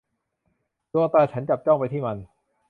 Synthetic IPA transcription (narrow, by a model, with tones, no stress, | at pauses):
d̪u˧ʔa˧t̪aː˧t͡ɕʰa˦˥nt͡ɕa˨˩p̚t͡ɕɔ˥˩ŋpa˧jt̪ʰiː˥˩ma˧n